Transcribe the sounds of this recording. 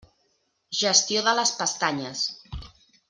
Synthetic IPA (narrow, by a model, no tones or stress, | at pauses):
ʒəst̪ioðələspəst̪aɲəs